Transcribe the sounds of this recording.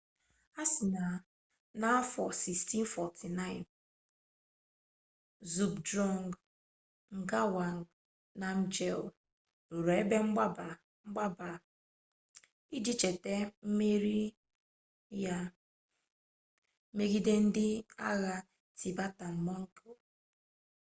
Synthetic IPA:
a˦sɪ˨na˨ | na˦fɔ˨si˨ksti˦n̩˦fɔ˨tʰi˨na˦ɪ˨n | zu˨bdɾɔ˦˨ŋɡ | ŋ̩˨ɡa˦wa˨ŋ˨ | na˨m̩˦d͡ʒe˦l̩˨ | ɾe˨e˦be˦ŋ͡m̩˦ɡ͡ba˦ba˨ | ŋ͡m̩˦ɡ͡ba˦ba˨ | i˦d͡ʒi˦t͡ʃe˨te˦m̩˦me˦ɾi˦ | ja˦ | me˦ɡi˦de˦n̩˦dɪ˦a̰˦ɣa˦ | tʰi˨ba˦ta˨m̩˨mɔ˦ŋ̩˦ko˦

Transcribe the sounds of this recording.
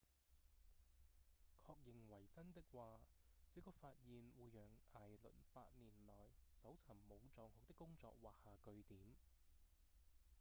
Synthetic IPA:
kʰɔː˧k̚jɪ˨ŋwɐ˨˩jt͡sɐ˥nt̪ɪ˥k̚waː˨˧t͡siː˨˥kɔː˧faː˧t̚jiː˨nwuː˨˧jːœː˨˩ŋaː˨˩jlɵ̰˨˩npaː˧t̚niː˨˩nlɔː˨˩jsɐ˨˥wt͡sʰɐ˨˩ŋmo˨˧wt͡sɔː˨˧ŋhʊ˨˧k̚t̪ɪ˥kːʊ˥ŋt͡sɔ̰ː˧k̚waː˨k̚haː˨kɵ˧ɥt̪iː˨˥m

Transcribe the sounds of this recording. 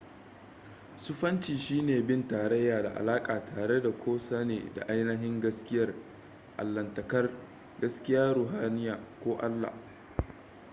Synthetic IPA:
sʊ˦ɸɐ˦nt͡ʃiː˨ʃiː˦neː˨bɪ˦ntaː˨ɾɐ˦jːaː˨da̰˨ʔa̰˨laː˦kʼaː˨tʰaː˨ɽe˦da˨kʷʰoː˦sa˦nḛː˨da̰˨ʔa˦jnɐ˦ɦɪ˦ŋɡɐ˦skʲɪ˦jɐ˦r | ʔa̰˨lːɐ˨ntɐ˨kɐ˦r | ɡɐ˦skʲɪ˦jaː˦ɾuː˨ɦaː˦nɪ˦jaː˨kʷoː˦ʔa̰˦lːa̰˨h

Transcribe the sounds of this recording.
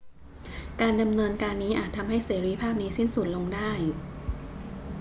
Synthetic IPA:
kaː˧nda˧mnɤː˧nkaː˧nːiː˦˥ʔa̰ː˨˩t̪ʰːa˧mɦa˥˩jseː˩˦ɾiː˦˧˥pʰaː˥˩p̚niː˦˥si˥˩nsu˨˩t̪̚lo˧ŋdaː˥˩j

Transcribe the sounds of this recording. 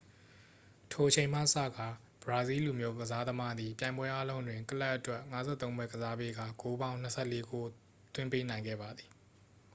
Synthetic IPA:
tʰo˨ʔət͡ɕʰẽ˨ɪ̃m̥ä̰˦˨əsä̰˦˨ɡa˨ | b̥əɹa˨zi˦lu˨mjo˦ɡəza˦d̪əma˦d̪i˨pjã˨ɪ̃mbwɛ˦ʔa˦lõ˦ʊ̃ndwɪ̃˨ŋkə˦la˦ʔətwɛ˦ʔŋa˦zɛ̰˦˨t̪õ˦ʊ̃mbwɛ˦ɡəza˦pe˦ɡa˦˨ko˦bã˦ʊ̃n̥əsʰɛ̰˦˨le˦ɡo˦ | t̪wɪ̃˦mpe˦nã˨ɪ̃ŋɡɛ̰˦˨ba˨d̪ði˨

